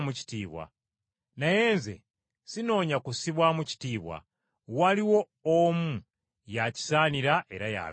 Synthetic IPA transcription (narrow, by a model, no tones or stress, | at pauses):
muci̥tiːβwa̰ | naje̞ːnzḛ | sino̞ːɲakusiβwamuci̥tiːβwa̰ | waliwo̞ː | mu | jaci̥saːniɾaʔe̞ɾaja̰